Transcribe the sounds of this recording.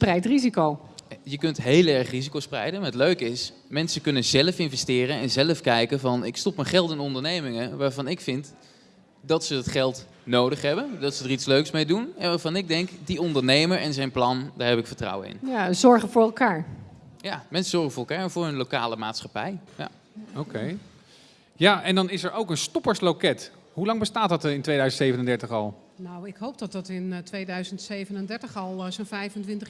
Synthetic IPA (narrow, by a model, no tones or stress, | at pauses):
sprɛjtrizikowjəkɵntɦejlˠɛɹχrizikowsprɛ̰jdənaətløɥkɪs | mɛnsəkɵnənzɛləfɪnvɛstɪːrənɛnzɛləfkɛjkənvɑnɪkstɔpməχɛlˠtɪnɔndəɹnejmɪŋəʋaːɹvɑnɪkfɪnt | dɑtsəətχɛlˠt | nowdəχɦɛbəndɑtsədəritsløɥksmejdunɛnʋaːɹvɑnɪɡ̚dɛŋkdiɔndəɹnejməɹɛnzɛjnplɑndaːɹɦɛpɪkfəɹtrʌ̰wə̰nɪ̰njaəzɔɹχəvʊːɹɛlˠkaːɹjamɛnsəzɔɹχənvʊːɹɛlˠkaːɹvʊːɹɵnlowka̰ːləmaːtsχɑpɛ̰jja̰ | okʰej | jaːʔɛndɑnɪsɛɹowkənstɔpəɹslokɛt | hɦulɑŋbəstaːt̚dɑtɪntʋejdœɥzəntsejvənəndɛɹtəχɑ̰lˠ | nawɪkɦowp̚dɑtɑtɪntʋejdœɥzəntsejvənəndɛɹtəχɑlˠzonfɛjfəntʋɪntə